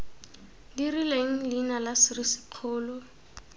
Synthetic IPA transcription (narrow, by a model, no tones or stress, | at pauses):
dirileŋ̩lɪnalasɪrisɪ̥q͡χʰʊːlɔ